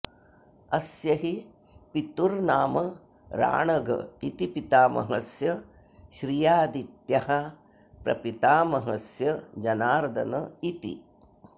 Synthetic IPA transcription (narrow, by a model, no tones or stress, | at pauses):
ɐsjɐɦi | pit̪uɾnaːmɐ | ɾa̰ːɳɐɡɐ̰it̪ipit̪aːmɐ̰ɦɐsjɐ | ʃɾijaːd̪it̪jɐɦɐ | pɾɐ̰pit̪aːmɐɦɐsjɐd͡ʒɐnaːɾd̪ɐ̰nɐit̪ḭ